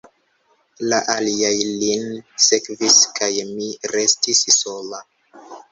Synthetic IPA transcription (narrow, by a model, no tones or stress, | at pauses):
laʔaliajlinsekviskajmiɾe̞stisso̞la